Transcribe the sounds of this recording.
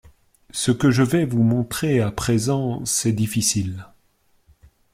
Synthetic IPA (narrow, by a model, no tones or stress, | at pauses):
səkəʒəvɛvumɔ̃t̪χeapχezɑ̃sɛd̪ifisil